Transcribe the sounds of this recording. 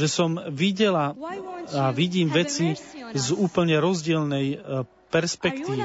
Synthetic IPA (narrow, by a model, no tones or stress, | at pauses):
ʒɛsɔmʋiɟɛla | aʋiɟiːmʋɛt͡sizuːpl̩ɲɛɾɔzɟɪɛlnɛj | pɛɾspɛkt̪iːʋi